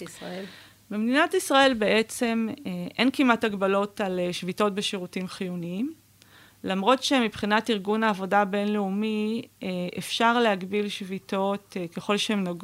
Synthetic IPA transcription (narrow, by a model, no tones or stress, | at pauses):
bemdinatisʁae̞lbe̞ʔe̞t͡se̞meʔe̞nkimataɡbalo̞taleʃvito̞t̚beʃiʁutimχijuniim | lamʁo̞tʃe̞mipχinatiʁɡunaːvo̞dabe̞nleumieʔefʃaʁleɦaɡbilʃvito̞tke̞χo̞lʃehemnoɡ